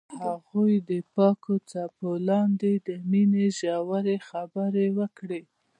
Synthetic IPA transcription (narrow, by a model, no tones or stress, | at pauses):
haɣujd̪əpɑkʰot͡sɑpolɑnd̪ed̪əmineʒɑwaɾexabəɾewəkɽe